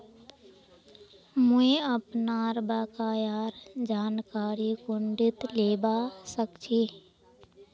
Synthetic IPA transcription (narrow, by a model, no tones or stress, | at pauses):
mʊẽəpnaːɾbaːkaːjaːɾd͡ʒaːnkaːɾikʊɳɖɪt̪leːbasəkt͡ʃʰi